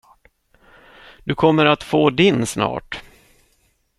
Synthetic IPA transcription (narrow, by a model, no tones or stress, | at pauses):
d̪̥ɵkʰɔmːəɾat̪foːd̪ɪnsnɑ̰ːʈ